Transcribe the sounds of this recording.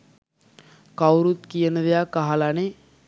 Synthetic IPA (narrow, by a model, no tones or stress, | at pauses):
kawɾut̪kijənəd̪ejakaɦalane